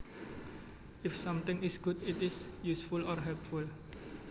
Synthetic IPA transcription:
ʔɪfsãmt̪ɪ̃ŋɪsɡ̥utɪtɪsjusfulɔrɦɛlp̚ful

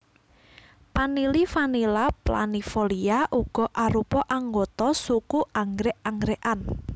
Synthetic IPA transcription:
panilifanilapla̰nifoliaʔuɡ̥ɔ̤ʔaɾupɔʔaŋɡot̪ɔsukuaŋɾɛʔaŋɡɾeʔan

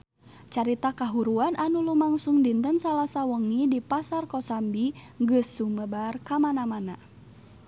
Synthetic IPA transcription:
t͡ʃaɾit̪akaɦuɾuanʔanulumaŋsuŋdint̪ənsalasawəŋidipasarkɔsambiŋɡɨsːuməbarkamanamana

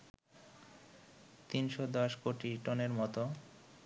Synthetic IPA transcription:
t̪inʃod̪ɔʃkoʈiʈɔneɾmɔt̪o

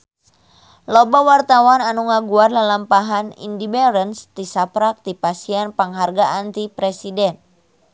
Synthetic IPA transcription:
lɔbawart̪awananuŋaɡuarlalampaɦanḭndibɛɾənst̪isapɾak̚t̪ipasiɛnpaŋɦarɡaʔant̪ipɾɛsidɛn

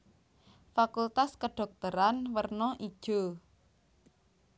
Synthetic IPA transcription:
fakult̪askəɖ̥ɔ̤k̚t̪əɾanwərnɔʔid̥ʒ̥o

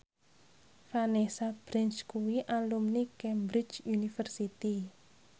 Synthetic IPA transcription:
fanesab̥ɾɛnskuwiʔalumnikɛmbɾit͡ʃunifərsit̪i

